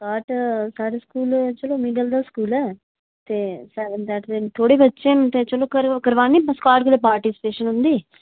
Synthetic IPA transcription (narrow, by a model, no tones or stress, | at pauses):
kaːʈsaːɾʈskuːlt͡ʃoloːmiːɖɐld̪askuːla | t̪esɐt̪aːʈ̪et̪oːɽikɐt͡ʃːeːmt̪et͡ʃoloːkɐɾkɐɾʋaːnːipɐskaːɾʈkuleːpaːɾʈisi̥peːʂɐnund̪i